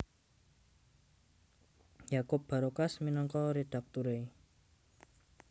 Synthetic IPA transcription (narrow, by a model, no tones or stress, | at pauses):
jakʊp̚b̥a̤ɾokasminɔŋkɔɾeɖ̥ak̚t̪uɾe